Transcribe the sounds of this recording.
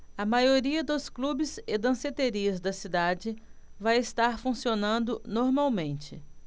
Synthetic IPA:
ɐmajoɾiɐd̪ʊsklubɪzɪd̪ɐ̃set̪eɾiɐzd̪ɐsid̪ad͡ʒɪvajɪst̪aɾfũsionɐ̃nd̪ʊnoɾmawmẽnt͡ʃɪ

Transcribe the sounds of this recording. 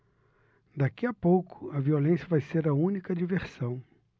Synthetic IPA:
d̪akiɐpowkʊ̥ɐviolẽsjɐvajseɾɐũnikɐd͡ʒiveɾsɐ̃w̃

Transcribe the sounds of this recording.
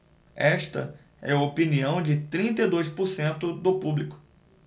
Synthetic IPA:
ɛʃt̪ɐ̰ | ɛɐopiniɐ̃w̃d͡ʒɪt̪ɾĩnt̪ɐjd̪ojspʊɾsẽnt̪ʊd̪ʊpublikʊ̥

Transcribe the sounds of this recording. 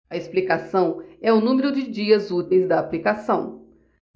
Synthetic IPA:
ɐesplikasɐ̃w̃ɛʊnũmeɾʊd͡ʒɪd͡ʒiɐzut̪ejzd̪ɐːplikasɐ̃w̃

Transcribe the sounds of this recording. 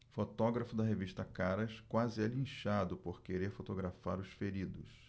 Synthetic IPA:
fot̪ɔɡɾɐfʊd̪ɐɦeviʃt̪ɐkaɾɐʃkwazɪalĩʃad̪ʊpoɾkeɾeɾfot̪oɡɾafaɾʊsfeɾid̪ʊs

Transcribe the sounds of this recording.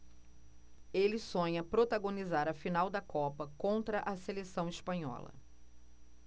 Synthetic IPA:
elɪsõɲɐpɾot̪aɡõnizaɾɐfinawd̪ɐkɔpɐkõnt̪ɾɐʔɐselesɐ̃w̃ispɐ̃ɲɔ̰lɐ̰

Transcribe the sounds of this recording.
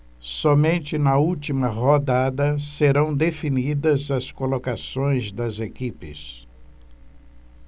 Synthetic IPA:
sɔmẽnt͡ʃɪnɐut͡ʃimɐɦod̪ad̪ɐseɾɐ̃w̃d̪efinid̪ɐzɐskolokasõj̃zd̪ɐzekipɪ̰s

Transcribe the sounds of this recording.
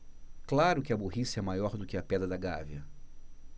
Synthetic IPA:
klaɾʊkɪɐbuɦisɐɛmajɔɾd̪ʊkɪɐpɛd̪ɾɐd̪ɐɡa̰viɐ

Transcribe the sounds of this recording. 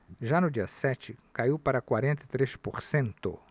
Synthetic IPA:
ʒanʊd͡ʒiɐsɛt͡ʃɪkaiwpaɾɐkwaɾẽnt̪ɐt̪ɾeʃpoɾsẽnt̪ʊ̰

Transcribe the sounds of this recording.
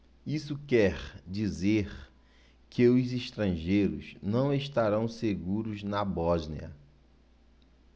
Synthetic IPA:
isʊkɛɾd͡ʒizeɾ | kʰɪʊziʃt̪ɾɐ̃ʒejɾʊ̰znɐ̃w̃eʃt̪aɾɐ̃w̃seɡuɾʊznɐbɔznḭɐ̰

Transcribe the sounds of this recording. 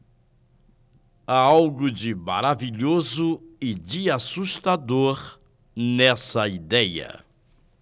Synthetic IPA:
aawɡʊd͡ʒɪma̰ɾaviʎozʊɪd͡ʒɪasuʃt̪ad̪oɾ | nɛsɐid̪ɛjɐ̰

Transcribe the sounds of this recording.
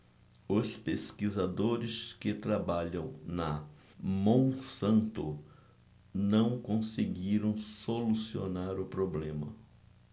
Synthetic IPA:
ʊspeskizad̪oɾɪskɪt̪ɾabaʎɐ̃w̃nɐ | mõw̃sɐ̃nt̪ʊ | nɐ̃w̃kõseɡiɾɐ̃w̃solusio̰naɾʊpɾoblẽmɐ̰

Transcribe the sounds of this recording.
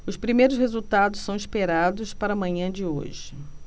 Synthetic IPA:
ʊspɾimejɾʊshezut̪ad̪ʊssɐ̃w̃ispeɾad̪ʊspaɾɐmɐ̃ɲɐ̃d͡ʒɪo̰ʒɪ

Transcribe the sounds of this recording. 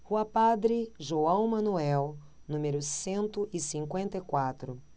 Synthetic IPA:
huɐpad̪ɾɪʒoɐ̃w̃mɐ̃nuɛw | nũmeɾʊsẽnt̪ʊʔɪsĩŋkwẽnt̪ɐjkwat̪ɾʊ

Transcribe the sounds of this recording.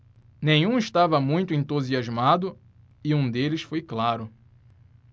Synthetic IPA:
nẽɲ̃ũɪʃt̪avɐmũj̃t̪ʊẽnt̪uziazmad̪ʊ | ɪũd̪elɪsfojklaɾʊ

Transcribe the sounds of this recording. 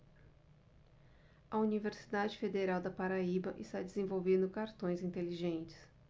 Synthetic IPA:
ɐuniveɾsi̥d̪ad͡ʒɪfed̪eɾawd̪ɐpaɾaibɐʔɪst̪ad͡ʒɪzẽvowvẽnd̪ʊkaɾt̪õj̃zĩnt̪eliʒẽnt͡ʃɪ̥s

